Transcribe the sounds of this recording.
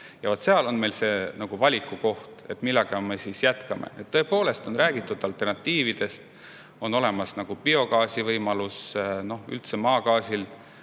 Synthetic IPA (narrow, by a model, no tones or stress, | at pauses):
jɑvot̪se̞ɑlo̞nme̞jlse̞ːnɑɡ̥uvɑlʲikːˑuko̞ht̪e̞t̪ːˑmilːɑɡ̥ɑme̞sisjæt̪kɑmʔḛet̪ːɤ̞epo̞ːle̞st̪o̞nræːɡ̥it̪ːˑud̪ˑɑlt̪ːˑe̞rnɑt̪ːiːvid̪̥e̞st̪ | o̞no̞le̞mɑsnɑɡ̥upio̞ɡɑːsivɤjmɑlusno̞hy̰lt̪semɑːkɑːsil